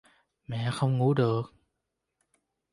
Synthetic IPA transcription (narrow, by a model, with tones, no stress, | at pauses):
mɛ̰˧˨xə˧wŋ͡mŋṵ˧˥ɗɨ˨˩ək̚